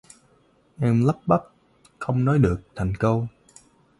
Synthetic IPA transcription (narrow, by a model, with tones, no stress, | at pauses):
ʔɛ˧mla˦˥p̚ɓa˦˥p̚ | xə˧wŋ͡mnɔ˨˦jɗɨ˨˩ək̚t̪ʰa˨˩jŋ̟kə˧w